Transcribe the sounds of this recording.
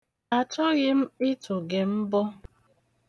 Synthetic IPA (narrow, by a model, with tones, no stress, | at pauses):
a˨t͡ʃɔ˦ɣɪ˦m̩˦ɪ˦tʊ˨ɡe˨m̩˦bɔ˦